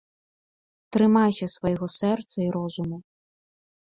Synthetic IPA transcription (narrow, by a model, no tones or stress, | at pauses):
t̪ɾɨmasʲɐsvɐjɔɣɔsɛrt̪sɐiɾɔzumu